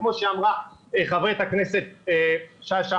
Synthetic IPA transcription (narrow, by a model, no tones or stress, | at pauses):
mo̞ʃeamʁaeχaveet̪aknese̞t̪̚eʃaaʃa